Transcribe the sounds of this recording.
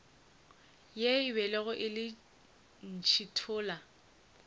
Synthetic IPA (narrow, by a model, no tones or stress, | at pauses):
jeɪbɛlɛɣʊʔɪlɪ | n̩t͡ʃʰitʰʊːla